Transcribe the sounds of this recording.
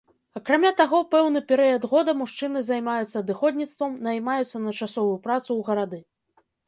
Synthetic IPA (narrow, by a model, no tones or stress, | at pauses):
ɐkɾamʲat̪aɣɔpɛwnɨpʲɛɾɨjɐd̪ɣɔd̪ɐmuʂt͡ʂɨnɨzajmajut̪sːɐːd̪ɨxɔd̪ʲnʲit̪st̪vɐmnajmajut̪sːɐnɐt͡ʂasɔvujupɾat̪suwɣɐɾad̪ɨ